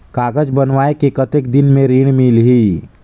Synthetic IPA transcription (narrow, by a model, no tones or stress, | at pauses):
kaːɡəd͡ʒbənʋaːekekət̪ekd̪ɪnmẽɾiːɽ̃milɦiː